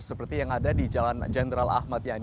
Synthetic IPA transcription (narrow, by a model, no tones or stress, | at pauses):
səpərt̪ijaŋadadid͡ʒaland͡ʒɛnɾala̰hmat̪jan